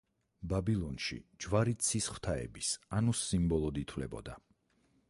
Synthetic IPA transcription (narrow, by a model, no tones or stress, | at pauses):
babilˠɔnʃḭd͡ʒwaɾit̪sʰisχw̥t̪ʰaɛ̰bisanusimbɔlˠɔd̪it̪ʰwlɛ̰bɔ̰d̪a